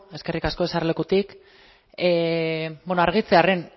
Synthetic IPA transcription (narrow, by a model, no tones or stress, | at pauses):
e̞ske̞rikasko̞e̞sarle̞kut̪ik | bonoaɾɣ̞it͡se̞are̞n